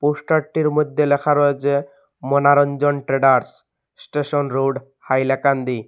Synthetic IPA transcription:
posʈaʈːiɾmod̪ʱːelɛkʰaɾɔet͡ɕʰe | mɔnaɾɔnd͡ʑɔnʈɾeɖaɾs | sʈeʃɔnɾoɖ | hajlakand̪i

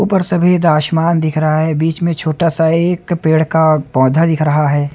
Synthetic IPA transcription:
upəɾsɐbʱid̪aːʃmaːnd̪ɪkʰɾɐɦaɦɛbiːt͡ʃmẽt͡ʃʰoːʈasaeːkpeːɽ̤kapɔ̃ːd̪ʱad̪ɪkʰɾɐɦaɦɛː

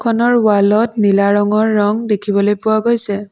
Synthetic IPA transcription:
kʰɔnɔɹwalɔtnilaɹɔŋɔɹːɔŋdekʰibɔlojpʊwaɡojsɛ

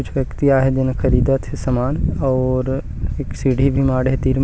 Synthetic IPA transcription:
ʊt͡ʃʰʋjɐkt̪iaːɦed̪ɪnkʰɐɾiːd̪at̪ɦesɐmaːnɔːɾ | eːksiːɽʱibʱimaːɽɦet̪iːɾm

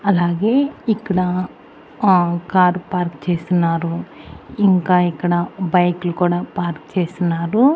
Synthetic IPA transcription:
ɐlaːɡeːikːɐɽɐ | kaːɾpaːɾkt͡ʃeːst̪unːaːɾuiŋkaːikːɐɽɐbɐjklukuːɽaːpaːɾkt͡ʃeːsunːaːɾu

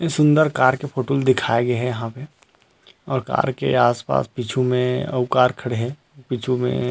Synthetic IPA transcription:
sʊ̃nd̪əɾkaːɾkefʰoːʈoːld̪ɪkʰaːeɡeɦɛ̃jɐɦãpe | ɔːɾka̰ːɾkḛaːspa̰ːspit͡ʃʰumẽɐ̰ʊkaːɾkʰɐɽeɦɛ̃ | pit͡ʃʰumḛ̃

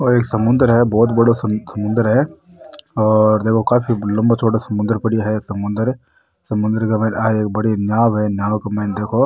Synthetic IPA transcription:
oːeːksɐmʊ̃nd̪əɾɦɛbɔːt̪̬bɐɽosɐmʊ̃nd̪əɾɦɛ | ɔːɾd̪eːkʰokaːpʰilɐ̃mbat͡ʃʰoːʈasɐmʊ̃nd̪əɾpɐɽijaɦɛsɐmʊ̃nd̪əɾ | sɐmʊ̃nd̪əɾkɐmɛ̃ːnaːeeːk̚bɐɽinjaːwɦɛnjaːwkɐmɛːnd̪eːkʰo

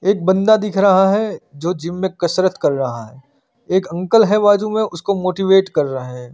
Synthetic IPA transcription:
eːk̚bɐ̃nd̪ad̪ɪkʰɾɐɦaɦɛd͡ʒoːd͡ʒɪmːẽkɐsɾət̪kɐɾːɐɦaɦɛː | eːkɐ̃ŋkəlɦɛbaːd͡ʒumẽʔʊskomoːʈiʋeːʈkɐɾːɐɦaɦɛː

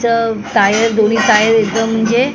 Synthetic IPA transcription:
t͡sət̪ajəɾd̪oniːt̪ajəɾekd̪əm̤əɳd͡ze

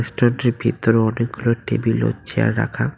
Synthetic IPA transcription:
esʈonʈiɾbʱit̪ːoɾeɔnek̚ɡuloʈebilo̰t͡ɕʰia̰ɾːa̰kʰa

